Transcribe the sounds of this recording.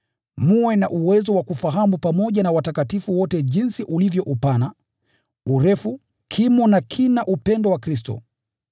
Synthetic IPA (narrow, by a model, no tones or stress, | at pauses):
muwɛnaʔuwɛzɔwakufaɦamupamɔʄanawatakatifuwɔtɛʄinsiʔulivjɔʔupana | uɾɛfu | kʰimɔnakʰinaʔupɛndɔwakɾistɔ̰